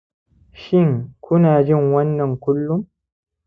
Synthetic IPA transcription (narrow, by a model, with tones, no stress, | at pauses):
ʃɪ˦ŋkʷʰʊ˦naː˨d͡ʒɪ˦˨ŋwɐ˦nːɐ˨ŋkʷʊ˦lːʊ˦m